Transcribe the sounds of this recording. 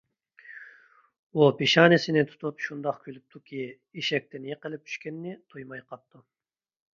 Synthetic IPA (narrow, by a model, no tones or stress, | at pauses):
upʰiʃɑːnɪsɪnɪt̪ʰu̥t̪ʰupʃund̪ɑqkʲʰylyp̚t̪ʰukʲʰi | iʃɛk̚ʲt̪ʰɪnjeqəlɪp̚t̪ʰy̥ʃkʲɛnːɪt̪ʰujmɑjqʰɑpt̪ʰːu